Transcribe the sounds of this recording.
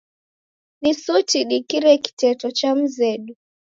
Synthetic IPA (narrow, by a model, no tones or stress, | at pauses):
nisutiɗikiɾɛki̥tɛtɔt͡ʃam̩zɛɗu